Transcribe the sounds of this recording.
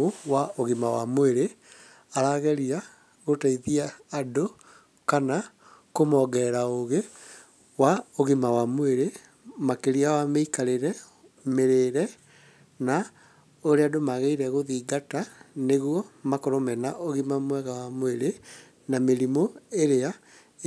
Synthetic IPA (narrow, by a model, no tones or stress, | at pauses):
owaoɣimawa̰mweɾe | aɾaɣɛɾia | ɣotaiðiaːdo | kana | komɔɡɛɾaoɣe | waoɣimawamoeɾe | makeɾiawameikaɾeɾɛ | meɾeɾɛ | na | oɾeadomaɣeiɾɛɣoðiːɡataneɣwɔmakɔɾomɛnaʔoɣimamwɛɣawamoeɾe | nameɾimoeɾea